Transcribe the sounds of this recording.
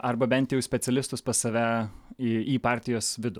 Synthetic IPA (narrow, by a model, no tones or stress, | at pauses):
ɐrbɐbʲɛnt̪jɛʊsʲpʲɛtsʲɛlʲɪst̪ʊspɐsɐʋʲæː | iːpɑːɾʲt̪ʲɪjoːsʋʲɪd̪ʊ